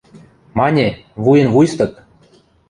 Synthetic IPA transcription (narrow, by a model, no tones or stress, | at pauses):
mɑnʲeβujə̆nvujst̪ɤ̆k̚